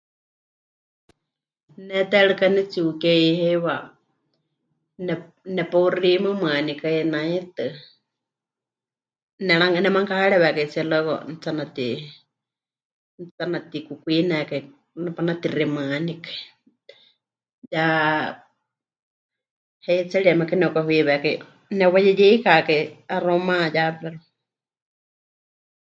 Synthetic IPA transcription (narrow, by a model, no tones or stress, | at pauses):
nɛt̪ɛɺɨkanɛt͡siukɛihejwa | nɛ | nɛpourimɨmɨanikainait̪ɨ | nɛɺaŋanɛmaŋkahaɺɛβɛkait͡siɛlɔkɔ̰n̩t͡sanat̪i | nt͡sanat̪ikukʷinɛkai | napanat̪irimɨanikḁi | ja | hɛit͡sɛɺiamakanɛkʷaɦwiβɛkaj | nɛwajɛjɛikakaiaromãjapɛɾu